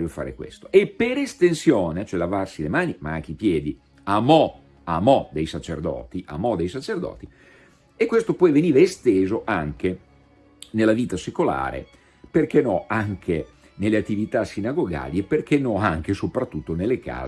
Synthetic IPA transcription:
ɾjofa̰ːɾḛkwḛst̪oʔepːeɾest̪ensjoːnet͡ʃoɛlavarsilemaːnimaaŋk̟eipjɛːd̪i | amɔ | amɔd̪ejsat͡ʃḛrd̪ɔ̰ːt̪iʔa̰mɔd̪ejsat͡ʃerd̪ɔ̰ːt̪i | ekwest̪opɔjveniːvaest̪eːzoʔaŋke | nelːaviːt̪asekola̰ːɾḛ | perk̟enɔaŋkʰe | nelːeat̪ːivit̪asinaɡoɡa̰ːliepːerkenːɔaŋkesopɾat̪ːut̪ːonelːeka̰ː

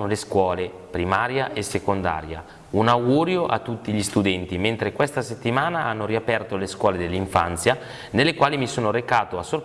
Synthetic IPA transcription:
oleskwɔːle | pɾimaːɾjaʔesekond̪a̰ːɾja̰ | unawɡuːɾjoʔa̰t̪ːut̪ːiʎist̪ud̪ɛnt̪iment̪ɾekwest̪aset̪ːimaːnaʔanːoɾiapɛrt̪oleskwɔːled̪elːiɱfant̪sja | nelːekwaːlimisoːnoɾekaːt̪oasːor

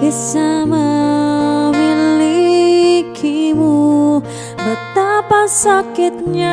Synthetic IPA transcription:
isamə | wili | kʰimu | bət̪apasakɪt̪̚ɲa

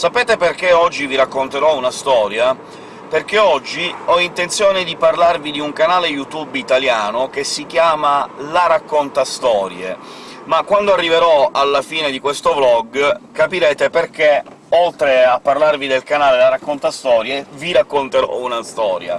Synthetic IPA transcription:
sapeːt̪eperk̟eɔd͡ʒːiviɾakːont̪eɾɔunast̪ɔːɾja | perk̟eɔd͡ʒːiɔint̪ent̪sjoːned̪iparlarvid̪iuŋkanaːlejut̪ubit̪aljaːnokesːikjaːmalaɾakːont̪ast̪ɔːɾjḛ | makwand̪oarːiveɾɔalːafiːned̪ikwest̪oblɔɡkapiɾɛːt̪eperk̟e | olt̪ɾeapːarlarvid̪elkanaːlelaɾakːont̪ast̪ɔːɾjeviɾakːont̪eɾɔ̰unast̪ɔːɾja̰

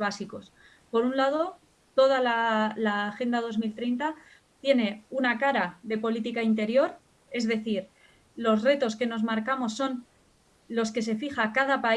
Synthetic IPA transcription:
βasiko̞s | po̞ɾunlað̞o̞ | t̪o̞ð̞alalaxe̞nd̪að̞o̞zmilt̪ɾejnt̪a | t̪je̞ne̞unakaɾaðe̞po̞lit̪ikaint̪e̞ɾjo̞ɾ | e̞zðe̞θiɾ | lo̞zre̞t̪o̞ske̞no̞zmaɾkamo̞sːo̞n | lo̞ske̞se̞fixakaðapa

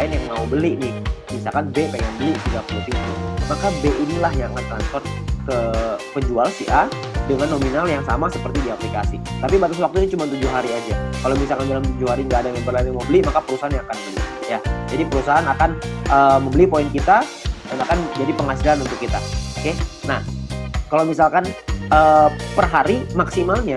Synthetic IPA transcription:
laɪnjaŋmaubəliʔnɪhmisalkanbepeŋanbəliʔt̪iɡapuluht̪iɡumakabeʔinilahɲaŋant̪ɾanspɔrt̪kəpəɲd͡ʒualsihʔa | dəŋanːominaljaŋsamasəpərt̪idiaplikasit̪apibat̪aswak̚t̪uɲat͡ʃumant̪ud͡ʒuɦaɾiad͡ʒakalomisalkandalamt̪ud͡ʒuhaɾiŋɡaːdamembərlaɾiaməmbəlimakapəɾusaɦanɲaːkanbəlijad͡ʒadipəɾusaɦanakanəːməmbəlipoinkit̪a | danakand͡ʒadipəŋhasilanunt̪ʊkːit̪aokenahkalowmisalkanəpərɦaɾimaksimalɲa

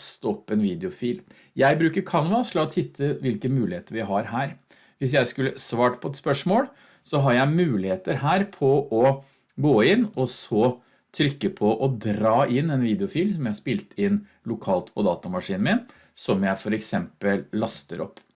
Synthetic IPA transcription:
st̪əɔpːɛnʋiːd̪ɪʊfiːl | jæɪbɾʉːkəɾkʰɑnʋɑslɑːɔt̪ʰɪt̪ʰːəʋɪlkəmʉːlɪheːt̪əɾʋɪɦɑɾɦæːɾ | ʋɪsjæɪskʉlːəsʋɑːʈpʰɔɛt̪spœʂmoːl | sɔɦɑɾjæɪmʉːlɪheːt̪əɾhæːɾpʰɔʔɔ | ɡoːɪnːɔsɔ | t̪ʰɾʏkːəpʰɔʔɔd̪ɾɑːʔɪnːɛnʋiːd̪ɛʊfiːlsɔmjæɪhɑspɪlt̪ɪnː | lʊkʰɑːlt̪pʰɔd̪ɑːt̪ɑmɑʂiːn̩mɪn | sɔmjæɪfɔɾɛksɛmpəlːɑst̪əɾɔ̰pː

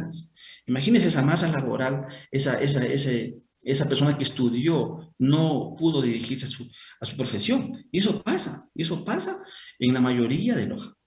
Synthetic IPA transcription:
asimaxinenseesamasalaβo̰ɾalesaʔes̬aese | esapeɾsonakest̪uðjonopuðo̞ðiɾixiɾsasuasu̥pɾofesjoŋies̬o̞pasaieso̞pasaeŋlamaʝo̞ɾiaðelo̰s

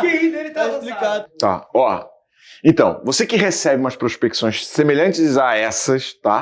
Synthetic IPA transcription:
kielɪt̪akõplikad̪ʊt̪a̰ɔ | ẽnt̪ɐ̰̃w̃vosekɪɦesɛbɪũmɐspɾospeki̥sõj̃ssemeʎɐ̃nt͡ʃɪzaɛsɐst̪a

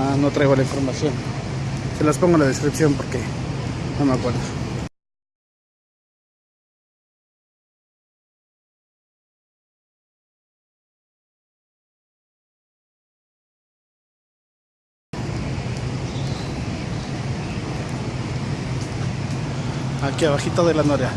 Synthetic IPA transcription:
asnot̪ɾajɣalainfoɾmasjon | selaspoŋalaðeskɾipsjompoɾke | namakʷalos | akiaβaxit̪aðelanaɾea

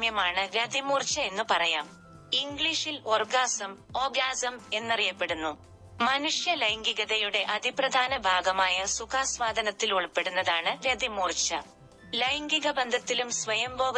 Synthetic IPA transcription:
mjɐmaːɳɨɾɐd̪ʱimuːrt͡ɕːɐe̞nːupɐrɐjaːm | iŋɡɭiːʂilorɡaːsɐmo̞ːɡaːsɐme̞nːɐrijɐpːe̞ɽunːu | mɐnuʂjɐlɐjŋɡiɣɐðɐjuɽe̞ʔɐd̪ʱiprɐd̪ʱaːnɐbʱaːɡɐmaːjɐsukʰaːsʋaːd̪ʱɐnɐt̪ːiluɭpːe̞ɽunːɐðaːɳɨɾɐd̪imuːrt͡ɕːɐ̰ | lɐjŋɡiɣɐbɐnd̪ʱɐt̪ːilumsʋɐjɐmboːɡɐ

